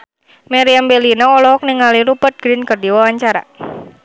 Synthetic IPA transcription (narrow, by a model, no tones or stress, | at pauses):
meɾiambelinɔɔlɔɦɔk̚niŋaliɾupət̪̚ɡ̥ɾinkərdiwawaɲt͡ʃaɾa̰